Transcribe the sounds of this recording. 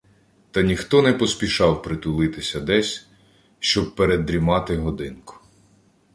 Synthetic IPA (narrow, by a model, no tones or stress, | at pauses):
t̪ɐnʲixt̪ɔnɛpɔspʲiʃɑwpɾɪt̪ʊlˠɪt̪ɪsʲɐd̪ɛsʲ | ʃt͡ʃɔb̚peɾed̪ɾʲimɑt̪ɪɦɔd̪ɪnkʊ̥